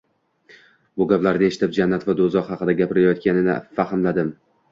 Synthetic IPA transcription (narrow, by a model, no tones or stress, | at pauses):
bʊɡʲaplaɾnɪe̞ʃɪ̥t̪ʰɪp̚d͡ʒanːat̪vad̪ozɒɾhɑqɨd̪aɡʲapɪɾɪajɒt̪̚kʲanɪnɪ̰fahɪmlad̪ɪm